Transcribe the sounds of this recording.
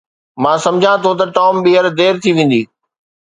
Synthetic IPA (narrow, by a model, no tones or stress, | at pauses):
mãːsɐ̃md͡ʑʱãt̪ʰot̪ɐʈɔːmɓiːəɾd̪eːɾt̪ʰiʋẽːn̆d̪iː